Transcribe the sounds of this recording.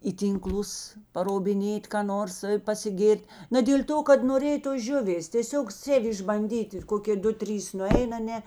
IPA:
iː ˈtʲiːŋˌklˠʊs pɐroːbʲɪˈnʲeːt kɑː ˈnoːrs pɐsʲɪˈɡʲeːrʲtʲ nɐ dʲeːlʲ ˈtoː kɐt noːˈrʲeːj toːs ˈʒʲʊʋʲeːs tʲeːˈsʲoːk ˈsʲeːw ɪʒbɐnʲˈdʲiːtʲ ɪr ˈkoːkʲeː ˈdʊ ˈtʲrʲiːs nʊˈɛɪn ɐˈnʲɛ

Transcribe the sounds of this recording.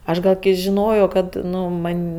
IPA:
ˈɐʃ ɡɐlˠ kɐɪ ʒʲɪˈnoːjoː ˈkɐt ˈnʊ ˈmɐnʲ

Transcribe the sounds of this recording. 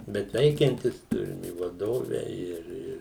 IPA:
ˈbʲɛt ˈʋʲɛɪkʲɛnʲtʲɪs ˈtʊrʲɪm ɪ ʋɐˈdoːʋʲɛ ɪr ˈɪr

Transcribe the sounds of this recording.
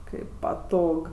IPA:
ˈkɐɪp pɐˈtoːk

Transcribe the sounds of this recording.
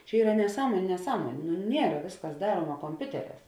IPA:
t͡ʃʲɛ ˈiːrɐ nʲɛˈsɑːmoːnʲʊ nʲɛˈsɑːmoːnʲeː nʊ ˈnʲiɛrɐ ˈʋʲeːsˌkɐs ˈdɑːruɔmɐ koːmʲˈpʲʊtʲɛˌrʲɛːs

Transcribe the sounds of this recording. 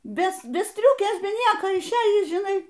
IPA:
ˈbʲɛ ˈbʲɛ ˈsʲtʲrʲʊkʲeːs ˈbʲɛ ˈnʲiɛkoː ɪʃʲˈeːjiːs ʒʲɪˈnɐɪ

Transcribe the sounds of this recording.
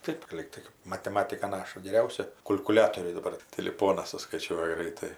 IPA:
ˈtɐɪp ˈlʲiːktɐɪ mɐtʲɛˈmɑːtʲɪkɐ ˈnɑːʃɐ ɡʲɛˈrʲɛʊsʲɛ kʊlʲkʊˈlʲæːtoːrʲɛɪ dɐˈbɐr tʲɪˈlʲɪpoːnɐs sʊskɐɪˈt͡ʃʲuɔjɛ ˈɡrɐɪtɐɪ

